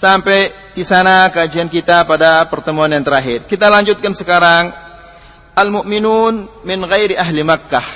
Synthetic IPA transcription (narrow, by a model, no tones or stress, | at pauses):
sampɛj | disanakəad͡ʒiankit̪apadapərt̪əmuanjaŋt̪əɾaɦɪrkit̪alaɲd͡ʒut̪̚kansəkaɾaŋ | ʔalmʊʔminunmɪnɣɛjɾiaɦlimakːah